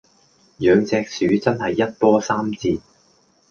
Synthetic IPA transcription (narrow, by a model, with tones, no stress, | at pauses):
jœː˨˧ŋt͡sɛː˧k̚syː˨˥t͡sɐ˥nhɐ˨jːɐ˥t̚pɔː˥saː˥mt͡siː˧t̚